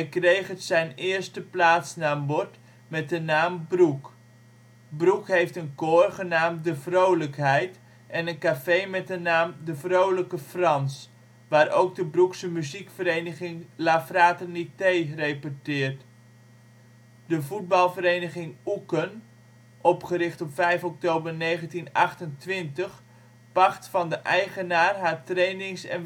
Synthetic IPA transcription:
ɛjkrejχətsɛjnɪərstəplaːtsnaːmbɔrt | mɛt̚dənaːmbruk | brukɦejftənkoːrχənaːmdəvrowləkɦɛjt | ʔɛnənkafejmɛt̚dənaːmdəvrowləkəfrɑns | ʋaːɾowk̚dəbruksəmyzikfəɾejnəχɪŋlafraːtənitejrejpɔtɪːrt | dəvud̚bɑlˠvəɾejnəχɪŋukən | ʔɔpχəɾɪχtɔpfɛjfɔk̚towbərnejχəntinɑχtəntʋɪntəχ | pɑχtfɑndəʔɛjχənaːrɦaːrtrejnɪŋsɛ̰n

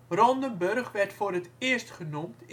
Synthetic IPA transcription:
rɔndənbørχʋɛrtfoːrɦətɪəstχənumt

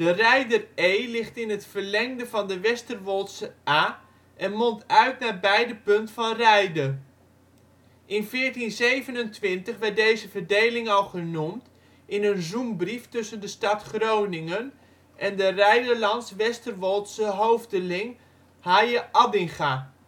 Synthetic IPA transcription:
d̥ərɛjdərejlɪχtɪnətfəɹlɛŋdəvɑndəʋɛstərʋɔlˠtsəaː | ʔɛnmɔntœɥtnaːɹbɛjdəpɵntfɑnrɛjdər | ʔɪnvɪːɹtinzejvənəntʋɪntəχʋɛɹt̚dejzəvəɹdejlɪŋɑlˠχənumt | ʔɪnənzumbriftʏsəndəstɑtχrownɪŋən | ʔɛndərɛjdəɹlɑntsʋɛstərʋɔlˠtsəɦowvdəlɪŋ | haːjəʔɑdɪŋχa

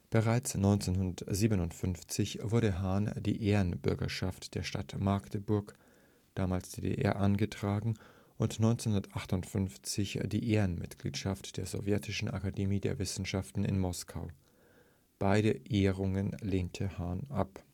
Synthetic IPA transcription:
b̥əʁaɪt͡snɔʏnt͡seːnɦʊndɐtz̥iːbənʊntfʏnft͡sɪçv̥ʊɐɾəɦaːnd̥ḭːʔeːʁənbʏɐɡɐ̰ʃaftd̥eːɐʃtatmaɐktəbʊɐk | d̥aːmaːlsd̥eːdḛʔɛ̰ɐʔanɡətʁ̥aːɡŋ̩ | ʔʊntnɔʏnt͡senhʊndɐtʔaχtʊntfʏnft͡sɪçd̥iːʔeːənmɪ̰tɡ̥lḭːtʃaftd̥eːɐzɔ̰vjɛtʰɪʃn̩ʔa̰kademiːdḛɐvɪsn̩ʃaftn̩ɪ̰nmɔskʰa̰ʊ | b̥aɪɾəʔeːʁʊŋənleːntʰəhaːnʔap

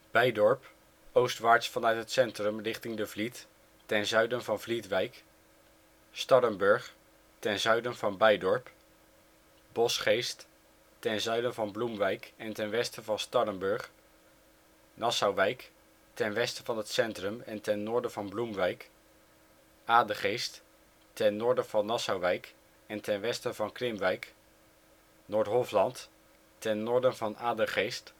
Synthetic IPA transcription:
b̥ɛjdɔɹp | owstʋaːɹtsfɑnœɥtɦətsɛntrəmrɪχtɪŋdəvlit | tɛnzœɥdənvɑnvlitʋɛjk | stɑɾəmbɵɹχ | tɛnzœɥdənvɑnbɛjdɔɹp | bɔsχejst | tɛnzœɥdənvɑnblumʋɛjkɛntɛnʋɛstəvɑnstɑɾəmbɵɹχ | nɑsɑwʋɛjk | tɛnʋɛstəv̥ɑnɦətsɛntrɵmɛntɛnːʊːɹdənvɑnblumʋɛjk | ʔaːdəχejst | tɛnːɔːɹdənv̥ɑnɑsɑwʋɛjk | ɛntɛnʋɛstəvɑnkrɪmʋɛjk | noːɹtɦɔflɑnt | tɛnːɔːɹdənvɑnaːdəχejst

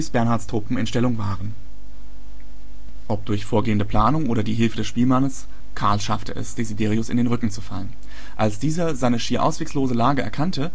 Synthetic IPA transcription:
sb̥ɛɐnhaɐtstʁ̥oːpm̩ɪnʃtɛlʊŋvaːʁən | ʔɔp̚d̥ʊɐçfoːɐɡeːəndəpl̥aːnʊŋʔoːɾɐdiːɦɪlfədɛsʃpiːlmanəs | kʰaɐlʃaftəʔɛ̰sd̥ezideːʁiʊsɪ̰ndeːnʁʏkŋ̩t͡su̥falən | ʔalsd̥iːzɐzaɪnəʃiːɐʔa̰ʊsv̥eːksloːzəlaːɡəʔɛɐkʰantə

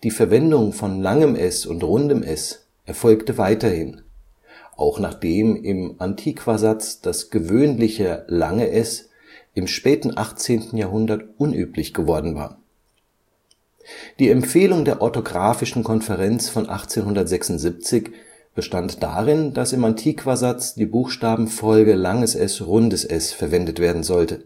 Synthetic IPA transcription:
d̥iːfɛɐvɛndʊŋfɔnlaŋəmʔɛsʊ̰ntʁʊndəmʔɛs | ʔɛɐfɔlktəvaɪtɐhɪn | ʔaʊxnaːχd̥eːmɪmʔantʰiːkv̥azat͡sd̥asɡ̥əvøːnlɪçəla̰ŋəʔɛs | ɪmʃpɛːtn̩ʔaχt͡seːntn̩jaːɐɦʊndɐtʔʊnʔyːplɪçɡ̥əvɔɐdn̩va̰ːɐ | d̥iːɛmfeːlʊŋdeːɐʔɔɐtoɡʁaːfɪʃn̩kʰɔnfɛʁɛnt͡sfɔnʔa̰χt͡seːnhʊndɐtz̥ɛksʊntz̥ip̚t͡sɪç | b̥əʃtantd̥a̰ːʁɪnd̥asɪmantʰiːkv̥azat͡sd̥iːbuːxʃtaːbm̩fɔlɡəlaŋəsʔɛsʁʊndəsʔɛsfɛɐvɛndətv̥eːɐdn̩zɔltə

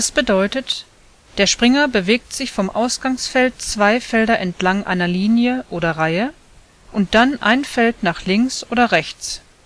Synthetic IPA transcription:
dasb̥ədɔʏtət | d̥eːɐʃpʁ̥ɪŋɐbəveːk̚tz̥ɪçfɔmʔaʊsɡ̥aŋsfɛltt͡sv̥aɪfɛldɐʔɛntʰlaŋʔa̰ɪnɐliːnjəʔoːɾɐʁaɪə | ʔʊnt̚d̥anʔa̰ɪnfɛltnaːχlɪŋksʔoːdɐʁɛçt͡s

